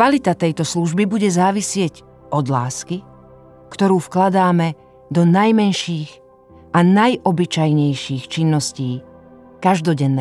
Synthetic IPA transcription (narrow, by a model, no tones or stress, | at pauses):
kalit̪at̪ɛjt̪ɔsluʒbibuɟɛzaːʋisɪɛɟ | ʔɔd̪la̰ːski | kt̪ɔɾuːfklad̪aːmɛ | d̪ɔnajmɛnʃiːɣ | ʔanajʔɔbit͡ʃajɲɛjʃiːxt͡ʃinːɔsciː | kaʒd̪ɔɟɛnːɛ